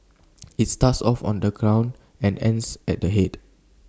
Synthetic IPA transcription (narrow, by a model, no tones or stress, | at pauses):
it̚statsɔfɔ̰̃ndəɡɹãw̃n | ɛ̃nɛ̃nsɛt̚dəɦet